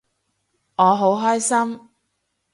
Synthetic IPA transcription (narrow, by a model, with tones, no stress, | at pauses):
ŋɔː˨˧ɦo˨˥wɦɔː˥jsɐ˥m